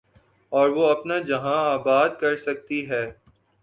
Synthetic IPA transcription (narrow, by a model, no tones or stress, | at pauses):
ɔːɾʋoɐpnad͡ʒɐɦãaːbaːd̪̚kɐɾsɐk̚t̪iɦɛː